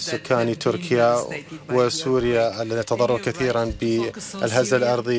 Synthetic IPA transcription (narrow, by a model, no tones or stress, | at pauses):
sʊkʰːaːnit̪ʰʊɾkʰɪjawɪsuːɾɪjaʔalːaðit̪ɑðˤɑrˤːɑbkaθiːɾanbɪʔɪ̰lɦazːalʔɑɾˤðˤi